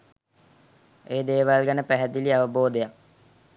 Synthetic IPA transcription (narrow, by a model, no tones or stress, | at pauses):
eːd̪eːʋalɡanəpæɦæd̪iliaʋəboːd̪ejak̚